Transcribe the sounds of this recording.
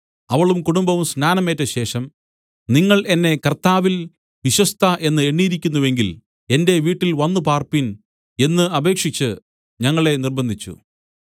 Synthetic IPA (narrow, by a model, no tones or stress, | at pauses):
ɐʋɐɭumkuɽumbɐʋumsnaːnɐmeːtːɐɕe̞ːʂɐm | niŋːɐɭe̞nːe̞kɐrt̪aːʋil | ʋiɕwɐst̪ʰɐʔe̞nːɨeɳːiːɾikʲːunːuʋe̞ŋɡil | e̞nde̞ʋiːʈːilʋɐnːupaːrpin | e̞nːɨɐbe̞ːkʂit͡ɕːɨ | ɲɐŋːɐɭe̞nirbɐnd̪ʱit͡ɕːṵ